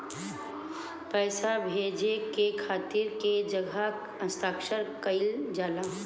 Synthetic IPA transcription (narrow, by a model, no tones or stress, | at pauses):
pɛːsabʱeːd͡ʒekekʰaːt̪iɾked͡ʒəɡʱa | ə̃st̪ʰaːkʃəɾkəɪld͡ʒaːlãː